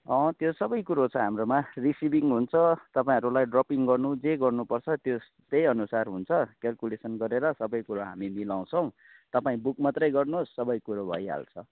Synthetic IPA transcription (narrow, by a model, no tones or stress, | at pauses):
ʌ̃t̪josʌbʌjkuɾot͡sʰʌɦamromarisibiŋɦunt͡sʰʌt̪ʌpaĩɦʌɾulajɖropiŋɡʌrnud͡zeɡʌrnupʌrt͡sʰʌt̪jos | t̪ejʌnusarɦunt͡sʰʌkalkulesʌnɡʌɾeɾʌsʌbʌjkuɾaɦamimilaw̃t͡sʰʌ̃w̃ | t̪ʌpaĩbukmat̪rʌjɡʌrnosːʌbʌjkuɾobʱʌ̰jɦa̰lt͡sʰʌ